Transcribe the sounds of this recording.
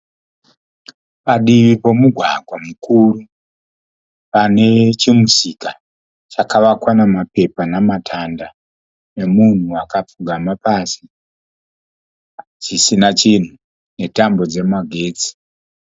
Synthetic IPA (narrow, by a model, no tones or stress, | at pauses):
paɗiʋipo̞muɡʱwa̰ɡʱwamukuːɾu | pane̞t͡ʃimusika | t͡ʃakaʋakwanamape̞panamatʰanda | ne̞mun̤uakap͡fuɡʱamapasi | d͡ʒisinat͡ʃin̤u | ne̞tambo̞d͡ze̞maɡʱe̞ːt͡si̥